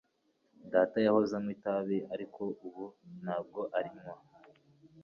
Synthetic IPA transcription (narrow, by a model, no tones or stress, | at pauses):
daːtajahozamŋitaβiʔaɾikʰo̞ʔuβun̥haːb̚ɡo̞ʔaɾiɲŋwa